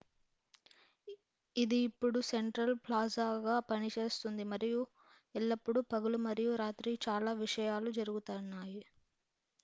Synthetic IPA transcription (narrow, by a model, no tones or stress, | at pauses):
id̪iːpːuɽuse̞ɳʈɾɐlplaːzaːɡaːpɐnit͡ʃe̞ːst̪und̪imɐɾiju | ɛlːɐpːuɽupɐɡulumɐɾijuɾaːt̪ɾit͡ʃaːlaːʋiʂɐjaːlud͡ʒɐɾuɡut̪anːaːji